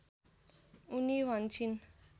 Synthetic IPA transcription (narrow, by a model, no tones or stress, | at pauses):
uniwʱʌnt͡ʃʰin